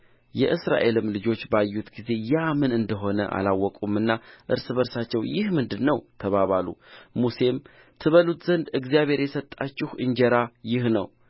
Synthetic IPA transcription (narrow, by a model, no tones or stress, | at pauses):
jɛʔɨsɾa̰ʔe̞lɨmlɨd͡ʒo̞t͡ʃːbajːut̪ɡize̞jamɨnɨnd̪əɦo̞nəʔa̰lawːɔkʼumɨnːaʔɨ̰ɾsɨβəɾsat͡ʃːɛwjɪhmɨnd̪ɨnːəwt̪ʰəβaβalṵmuse̞m | t̪ʰɨβəlut̪z̥ənd̪ɨɡzijaβhe̞ɾjɛsət̪ʼːat͡ʃːɪhʔɨnd͡ʒɛɾajɪhnə̰w